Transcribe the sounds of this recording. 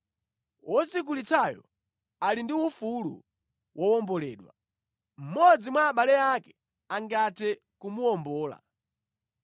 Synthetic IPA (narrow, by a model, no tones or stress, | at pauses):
wʔɔzik̬ulit͡sʰajɔ̰ | alindiufulṵ | wʔɔwɔmbɔlɛ̰ːɗwa̰ | m̩mɔd͡zimwaːɓalɛakɛ̥ | aŋɡatʰɛ | kumuɔmbɔːla̰